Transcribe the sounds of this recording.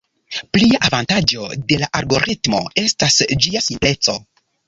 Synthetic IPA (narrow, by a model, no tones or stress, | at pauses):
pliaʔavantad͡ʒo̞̰de̞laʔaɾɡo̞ɾʔitmo̞̰e̞stasd͡ʒiasimple̞t͡so̞